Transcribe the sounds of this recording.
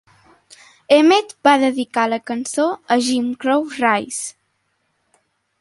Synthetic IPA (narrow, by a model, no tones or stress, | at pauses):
emet̪baðəðikaləkənsoəʒimkɾowrajs